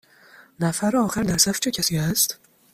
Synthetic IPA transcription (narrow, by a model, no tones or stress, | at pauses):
næfæɾɒːxæɾd̪æɾsæft͡ʃʰecʰæsiːæst̪